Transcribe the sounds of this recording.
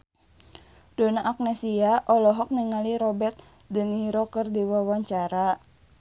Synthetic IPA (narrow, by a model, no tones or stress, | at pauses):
dɔnaʔak̚nɛsiaʔɔlɔɦɔk̚niŋaliɾɔbɛrt̪̚ | dəŋiɾɔkərdiwawaɲt͡ʃaɾa